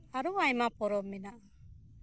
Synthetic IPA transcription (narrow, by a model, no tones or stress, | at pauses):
aɾuajmapɔɾɔmɛnaʔa